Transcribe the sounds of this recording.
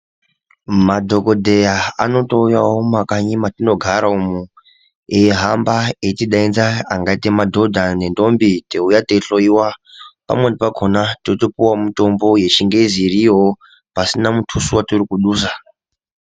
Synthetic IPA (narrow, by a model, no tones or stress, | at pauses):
madʱo̞kodʱejaano̞to̞ujawomakaɲimatino̞ɡʱaɾaumu | eeɦambaetiɗainzaaŋɡaitemadʱo̞dʱane̞ndo̞mbiteujate̞ɬoiwapa̰mwendipaɡʱo̞natotopuwamito̞mbo̞je̞t͡ʃiŋɡe̞zirijo | pasinamutʰusuwaturikuɗuːsa